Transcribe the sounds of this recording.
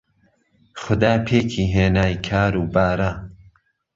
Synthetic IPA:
xʊd̪aːpʰeːkʰiːɦeːnaːjkʰaːɾuːbaːɾa

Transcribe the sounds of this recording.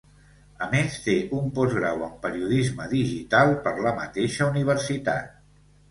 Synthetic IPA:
əmest̪eʔumpɔzɣɾawəmpəɾiuðizməðiʒit̪alˠpəɾləmət̪eʃəuniβ̞əɾsit̪a̰t̪̚

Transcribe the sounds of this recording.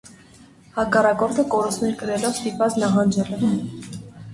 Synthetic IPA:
hɑkɑrɑkɔɾt̪ʰəkɔɾust̪nɛɾkəɾɛlɔvst̪ipvɑt͡snɑɦɑnd͡ʒɛlɛ

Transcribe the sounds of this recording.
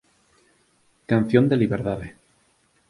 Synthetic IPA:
kan̟θjond̪eliβeɾðaðe

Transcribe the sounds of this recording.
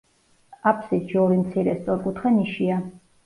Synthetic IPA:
apʰsit̪ʃiɔɾimt̪sʰiɾɛst̪sʼɔɾkʼut̪ʰχɛniʃia

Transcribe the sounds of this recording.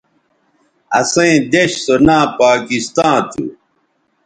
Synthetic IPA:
ɐsẽĩd̪eɕsonãːpaːkist̪ãːt̪ʰṵ

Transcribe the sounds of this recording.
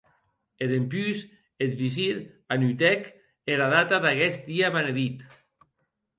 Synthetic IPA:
eðempyz | et̪βis̬iɾ | anyt̪ɛk | eɾaðat̪aðaɣɛsd̪iaβaneðit̪

